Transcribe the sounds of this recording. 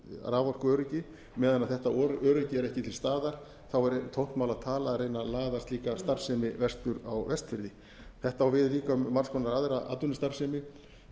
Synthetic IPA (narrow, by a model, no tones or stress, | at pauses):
ɾaːvɔr̥kʏœːɾɪcɪ | mɛːðanaðθɛht̪aɔɾœːɾʏcɪɛɾɛhcɪt̪ʰɪlst̪aːðaɾ̥ | θawɛɾt̪ʰowht̪mawlaðt̪ʰaːlaːðrejnalaːðast̪liːkast̪ar̥sɛmɪvɛst̪ʏɾawvɛst̪fɪɾðɪ | θɛht̪aawvɪðliːkamːar̥skʰɔnaɾaðɾaʔa̰t̪ːʏnɪst̪ar̥sɛmɪ